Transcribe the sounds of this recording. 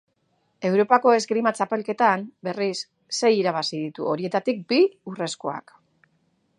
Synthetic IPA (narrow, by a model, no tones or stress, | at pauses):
e̞wɾo̞pako̞e̞zɡɾimat͡ʃape̞lke̞t̪ambe̞risː | e̞jiɾaβ̞asiðit̪uo̞ɾie̞t̪at̪ik̚biure̞skoa̰k